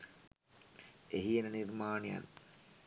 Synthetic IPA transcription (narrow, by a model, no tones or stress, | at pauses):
eɦienənirmaːnija̰n